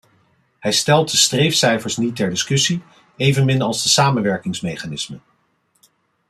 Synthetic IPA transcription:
hɛjstɛlˠt̚dəstrejfsɛjfəɹsnitɛɹdɪskɵsi | ejvənmɪnɑlˠzdəsaːmənʋɛɹkɪŋsmejχaːnɪsmən

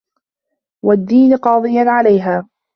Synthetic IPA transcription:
wad̪ːiːnqɑːd̪ˤɨjanʕalajɦaː

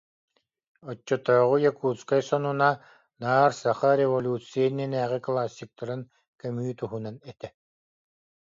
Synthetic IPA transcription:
ɔt͡ɕːɔt̪ɔːʁujakuːt͡skajsɔnuna | naːɾsaχaɾʲɛvɔlʲuːt̪t͡sɨjɛnɛnæːʁiklˠaːsʲːik̚t̪aɾɯn | kœmyːt̪uɦunanɛt̪ɛ

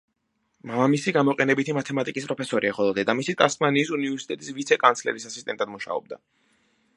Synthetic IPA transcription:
mamamisiɡamɔqʼɛnɛbit̪ʰimat̪ʰɛmat̪ʼikʼispʼɾɔpʰɛsɔɾiaχɔlˠɔd̪ɛd̪amisit̪ʼasmaniːsunivɛɾsi̥t̪ʼɛt̪ʼisvit̪sʰɛkʼant̪sʰlɛ̰ɾisasist̪ʼɛ̰nt̪ʼad̪muʃa̰ɔ̰b̚d̪a̰

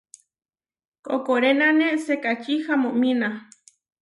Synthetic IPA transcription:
kokoɾenanesekat͡ʃihamõʔmina

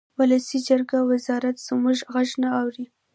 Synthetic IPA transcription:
wʊləsid͡ʒaɾɡawɪzɑɾat̪z̥əmuʒɣaʒnaːwɾi

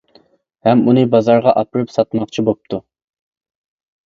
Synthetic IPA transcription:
hɛmunɨbɑzɑɾʁɑʔɑpɨɾɨpsɑt̪mɑqt͡ʃʰibop̚t̪ʰu

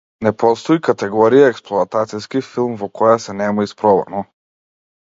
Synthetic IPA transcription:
nɛpɔst̪ɔikat̪ɛɡɔɾijaɛksplˠɔat̪at̪siskifilˠmvɔkɔjasɛnɛmaispɾɔva̰nɔ

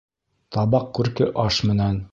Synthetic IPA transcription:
t̪ɑbɑq̚kʉɾkɘʔɑʃmɘ̆næn

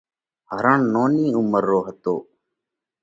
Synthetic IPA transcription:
ɦəɾəɳnoːniːʊməɾːoːɦət̪oː

